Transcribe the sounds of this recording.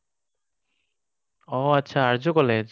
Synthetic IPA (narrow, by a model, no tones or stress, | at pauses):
ɔatːɕʰaaɾd͡ʑokɔled͡ʑ